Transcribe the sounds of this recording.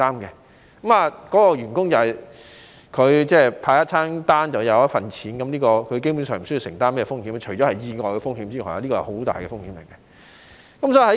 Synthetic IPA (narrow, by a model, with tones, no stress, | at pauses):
aː˥mkɛ˧ | kɐ˨˦ma˨˧kɔː˨˥kɔː˧ɥyː˨˩nkʊ˥ŋt͡sɐ˨whɐ˨j | kʰɵ˨˧ɥt͡sɛː˥˧pʰaː˧kɐ˥t̚t͡sʰaː˥ŋt̪aː˥nt͡sɐ˨wjɐ˨˧wjɐ˥t̚fɐ˨nt͡sʰiː˨˥nkɐ˨˦mliː˥kɔː˧kʰɵ˨˧ɥk̬e˥jpuː˨˥nsœː˨ŋm̩˨˩sɵ˥ji˧sɪ˨˩ŋt̪aː˥nmɛ˥ɛ˧fʊ˥ŋhiː˨˥m˧t͡ʃʰɵ˨˩jt͡ɕɔ˨˥hɐ˨jjiː˧ŋɔː˨˩jkɛ˧fʊ˥ŋhiː˨˥mt͡siː˥nɔ̰˨˩ja̰˧liː˥kɔː˧hɐ˨˩ho˨˥wt̪a̰ː˨jkɛ̰˧fʊ˥ŋhiː˨˥mlɪ˨˩jkːɛ˧ | kɐ˨˦msɔː˨˥i˧˩hɐ˧˥